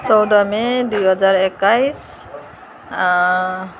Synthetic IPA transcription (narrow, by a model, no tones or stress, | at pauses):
t͡sɔwd̪ɔmɛd̪ujɦʌzaɹɛkajs